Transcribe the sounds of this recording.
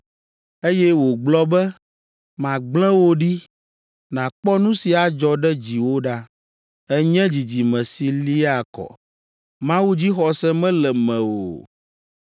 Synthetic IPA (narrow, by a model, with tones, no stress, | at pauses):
e˦jɛ˦wo˨ɡ͡blɔ˦bɛ˦ | mã˨ɡ͡blɛ̃˦wo˦ɖi˦ | nã˨k͡pɔ˦nũ˦si˨a˨d͡ʒɔ˨ɖɛ˦d͡ʑi˨wo˦ɖa˦ | ɛ˦ɲɛ̃˦d͡ʑi˨d͡ʑi˨mɛ̃˨si˨li˦a˨kɔ̰˨ | mã˦wu˦d͡ʑi˦xɔ˨sɛ˦mɛ̃˦lɛ˨mɛ̃˨wo̰˨